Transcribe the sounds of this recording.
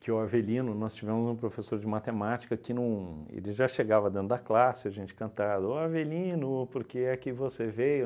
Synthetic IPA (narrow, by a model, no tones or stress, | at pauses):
kɪʊavelĩnʊnɔst͡ʃivẽmʊzũpɾofesoɾd͡ʒɪmat̪emat͡ʃi̥kɐkɪnɐ̃w̃ḛlɪʒaʃeɡavɐd̪ẽt̪ɾʊd̪aklasɪɐʒẽnt͡ʃɪ̥kɐ̃nt̪ad̪ʊʊavelĩnʊpoɾkeɛkɪvosevejʊ